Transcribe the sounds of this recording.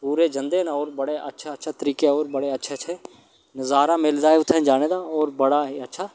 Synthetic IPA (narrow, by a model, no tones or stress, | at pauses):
puːɾeːd͡ʒə̃nd̪eːnaɔːɾbəɽeːʔə̰tːʃʰaətːʃʰat̪əɾiːkeɔːɾbəɽeətːʃʰeːt͡ʃʰe | nəzaːɾaːmelzaːiʊt̪ʰːɛ̃ːd͡ʒaːneːd̪aːɔːɾbəɽaːɦiːətːʃʰaː